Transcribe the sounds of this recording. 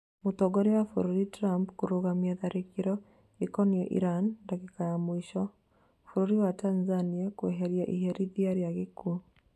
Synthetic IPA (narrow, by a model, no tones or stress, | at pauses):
motoɡɔɾewafuɾuɾitɾampkuɾoɣamjaðaɾʔekiɾɔ | ikɔniɛʔḭɾandakekajamoiʃɔ | fuɾuɾiwatanzaniakweɦeɾjaʔiɦeɾiðiaɾijaɣekʰu